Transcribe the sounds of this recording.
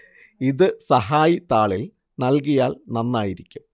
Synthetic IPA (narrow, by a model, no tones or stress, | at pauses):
iðɨsɐɦaːjit̪aːɭil | nɐlk̬ijaːlnɐnːaːjiɾikʲːum